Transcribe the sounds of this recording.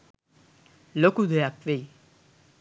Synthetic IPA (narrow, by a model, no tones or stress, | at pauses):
lokud̪ʱojakʋei